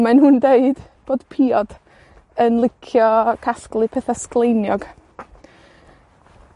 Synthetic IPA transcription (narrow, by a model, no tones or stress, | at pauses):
manɦʊndeɨd̥b̥oːd̥pʰiɔd̥ | ənlˠɪkʰjɔkʰasklˠɨpʰɛθasklˠejnjɔɡ̥